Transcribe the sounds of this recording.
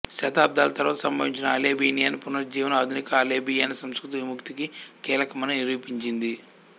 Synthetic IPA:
ʃɐt̪aːb̚d̪aːlɐt̪ɐɾʋaːt̪ɐsɐmbɐniɲt͡ʃinɐaːleːbiːnijɐnɐpunɐɾd͡ʒiːʋɐnɐːd̪ʱunikɐleːbijɐjnɐsɐmskɾut̪iʋimukt̪ikikiːlɐkɐmɐnɐniɾiːpiɲt͡ʃind̪i

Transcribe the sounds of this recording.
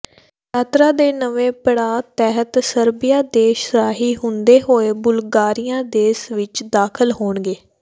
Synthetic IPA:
ʈaːt̪ɾaːd̪eːnəʋẽːpəɽaːt̪ɛːɦət̪səɾbɪjaːd̪eːʃɾaːɦiːɦʊ̃nd̪eːɦoːeːbʊlɡaːɾɪjãːd̪eːsʋɪt͡ʃd̪aːkʰəlɦoːɳɡeː

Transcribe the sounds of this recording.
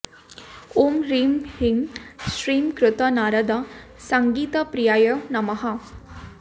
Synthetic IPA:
omɾiːmhiŋsɾiːmkɾʊt̪ɐnaːɾɐd̪ɐ | sɐŋɡiːt̪ɐpɾijaːjɐnɐmɐɦɐ

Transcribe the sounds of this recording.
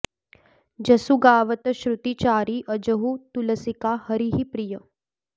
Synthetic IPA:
d͡ʒɐsuɡaːʋət̪əɕɾut̪it͡ʃaːɾiʔəd͡ʒəɦut̪uləsikahəɾiɦipɾijə

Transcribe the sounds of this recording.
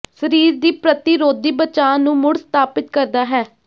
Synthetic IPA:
səɾiːɾd̪iːpɾət̪ɪːɾoːd̪iːbət͡ʃaːnũːmʊɽst̪ʰaːpɪt̪kəɾd̪aːɦɛː

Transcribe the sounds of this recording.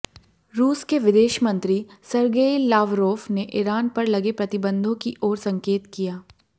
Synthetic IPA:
ɾuːskeʋɪd̪eːʃmɐ̃nt̪ɾisɐɾɡeːlaːʋɾoːʋneʔɪɾaːnpɐɾlɐɡepɾɐt̪ɪbə̃nd̪ʱõkiʔɔːɾsɐ̃ŋkeːt̪kijaː

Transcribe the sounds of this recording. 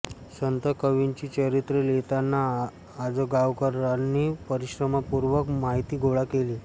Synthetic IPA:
sənt̪əkəʋint͡ɕiːt͡ɕəɾit̪ɾelet̪anːaː | d͡zəɡaʋkəɾanːiːpəɾiɕɾəmapuɾʋəkmaɦit̪iːɡʱoɭakeliː

